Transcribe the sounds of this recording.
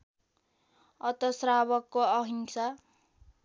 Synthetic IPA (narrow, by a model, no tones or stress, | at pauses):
ʌt̪ʌsraβʌkːoʌɦinsa